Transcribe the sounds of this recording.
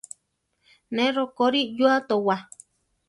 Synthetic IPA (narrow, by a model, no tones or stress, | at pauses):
nẽɾokoɾijuat̪owa